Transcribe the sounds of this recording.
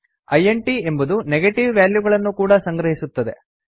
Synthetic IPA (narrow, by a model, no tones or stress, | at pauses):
ɐjeɳʈie̞mbɐd̪uneɡeʈiʋʋjaːljuɡɐɭɐnːukuːɽɐsɐŋɡɾɐɦisut̪ːɐd̪e̞̰